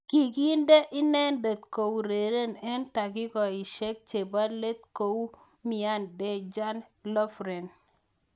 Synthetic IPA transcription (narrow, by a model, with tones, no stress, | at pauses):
ki˨ki˦nde˦ʔɪ˦nɛ˦nde˨t̪ko˨wɾe˨ɾe˦nɛ˦nta˨kɪ˦kɔ˨i˨ʃe˦k̚t͡ʃe˨ba˦le˦t̪̚ko˨w | mi˨a˦nde˦d͡ʒa˦nlɔ˦fɾe˨n